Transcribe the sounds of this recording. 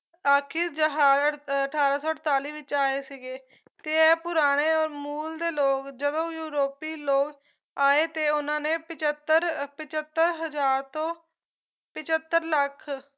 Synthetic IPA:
aːkʰiːɾd͡ʒəɦaːzəəʈʰaːɾaːsɔːəʈt̪aːliːʋɪt͡ʃaːeːsiɡeː | t̪eːɛːpʊɾaːɽ̃eːɔːɾmuːld̪eːloːkd͡ʒəd̪õːjuːɾoːpiːloːk | aːeːt̪eːʊnãːneːpɪt͡ʃət̪əɾpɪt͡ʃət̪ːəɾɦəd͡ʒaːɾt̪õː | pɪt͡ʃət̪ːəɾləkʰ

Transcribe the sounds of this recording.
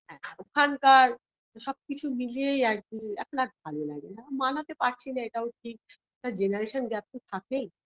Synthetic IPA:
ɦɛ̰̃okʰankaɾ | ʃɔb̚kit͡ɕʰumiliejak̚d̪iɛ̰kʰonak̚bʱalolaɡenammanat̪epaɾt͡ɕʰinaeʈaoʈʰik̚ | ɛʈad͡ʑenaɾeʃanɡɛp̚tit̪ʰakej

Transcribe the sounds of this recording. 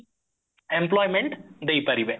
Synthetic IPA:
ẽmplɔːjmẽɳʈd̪eːpɐɾiʋẽ

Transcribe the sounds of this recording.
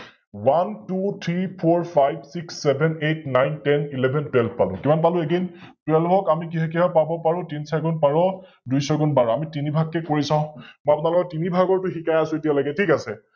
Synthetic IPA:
wantut̪ʰɹipʰoɹpʰajbsiksːɛbʱɛnetnajntɛnilɛbʱɛntwɛlbʱpalʊ̃kimanpalʊ̃eɡin | twɛlbʱɔkamik̬iɦakiɦɔpabɔpaɹʊ̃tinsaɡɔnpaɹɔ | dujsɔɡɔnbaɹɔamitinibʱakːɛkoɹisãʊ̃mɔjap̬ʊnaɹlɔkɔtːinibʱaɡɔɹtʊxikajasʊ̃etijalaɡɛtʰikasɛ

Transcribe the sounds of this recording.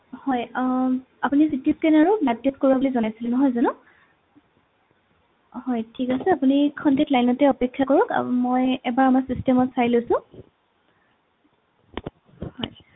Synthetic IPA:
hɔj | apunisitiskɛnaɹublatːiskoɹibabolizɔnajsilɛnɔɦɔjzanʊ | hɔjtʰikasɛapunikʰɔntek̚tlajnɔtɛɔpekʰːjakoɹɔkmojɛbaɹamasistɛmɔtsajlosʊ̃ | hɔj

